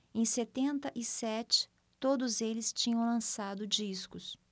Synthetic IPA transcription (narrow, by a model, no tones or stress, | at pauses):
ẽj̃set̪ẽnt̪ɐʔɪsɛt͡ʃɪ̥ | t̪od̪ʊzelɪst͡ʃĩɲɐ̃w̃lɐ̃sad̪ʊd͡ʒiskʊs